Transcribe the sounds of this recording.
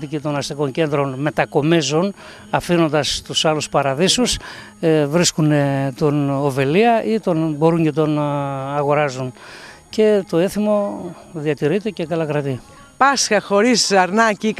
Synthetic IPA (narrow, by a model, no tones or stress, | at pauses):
t̪icit̪o̞nɐst̪iko̞ɲce̞nd̪ɾo̞nme̞t̪ɐko̞mizun | ɐfino̞nd̪ɐst̪usɐluspɐɾɐðisus | vɾiskunet̪onove̞liɐʔit̪o̞nbo̞ɾuɲce̞t̪o̞nɐɣo̞ɾɐzun | ce̞t̪o̞eθimo̞ | ðiɐt̪iɾit̪ece̞kɐlɐkɾɐt̪i | pɐsxɐxo̞ɾisɐɾnɐcik